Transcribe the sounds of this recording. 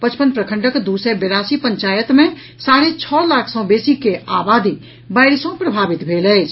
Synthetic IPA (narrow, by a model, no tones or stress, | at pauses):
pət͡ʃpənpɾəkʰəɳʈəkd̪usɛbeɾasipəɲt͡ʃaːjət̪mẽ | saɾet͡ʃʰɔlakʰsə̃w̃besikeʔabaːd̪i | baɪɾsə̃pɾəbʱaːbit̪bʱeːləɪt͡ʃʰ